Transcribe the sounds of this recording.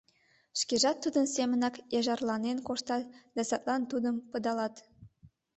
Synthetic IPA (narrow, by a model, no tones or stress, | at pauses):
ʃkʲeʒɑt̪ːud̪ə̆nsemə̆nɑkjɑʒɑrlˠɑnenkoʃt̪ɑt̪d̪ɑsɑt̪lˠɑnt̪ud̪əmpɤ̆d̪ɑlˠɑt̪